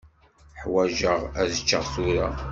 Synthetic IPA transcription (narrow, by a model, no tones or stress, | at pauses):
ħwæʒəʁæðət͡ʃːəʁθuɾa